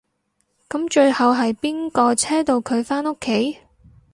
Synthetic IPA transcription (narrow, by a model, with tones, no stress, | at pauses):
kɐ˨˥mt͡ʃɵ˧ɥhɐ˨wɦɐ˨jpiː˥nkɔː˧t͡sʰɛː˥t̪o˧wkʰɵ˨˧ɥfaː˥nʊ˥kʰːe˨˥j